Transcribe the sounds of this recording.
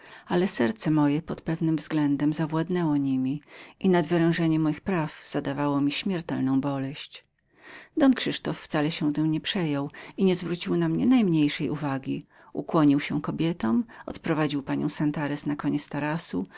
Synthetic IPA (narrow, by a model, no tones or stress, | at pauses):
alɛsɛɾt̪sɛmɔjɛpɔt̪pɛvnɘmvzɡlɛnd̪ɛmzavwad̪nɛwɔɲimʲiʔinad̪vɘɾɛ̃w̃ʐɛɲɛmːɔjixpɾavz̥ad̪avawɔmʲiɕmʲɛɾt̪ɛlnɔ̃w̃bɔlɛɕt͡ɕ | d̪ɔnkʂɘʂt̪ɔfːt̪salɛɕɛt̪ɛmɲɛpʂɛjɔwiɲɛzvɾut͡ɕiwnamɲɛ̰najmɲejʂɛjʔuvaɡʲi | ṵkwɔɲiwɕɛkɔbʲjɛt̪ɔmɔ̰t̪pɾɔvad͡ʑiwpaɲɔ̰w̃sant̪aɾɛsnakɔɲɛt̪st̪aɾasṵ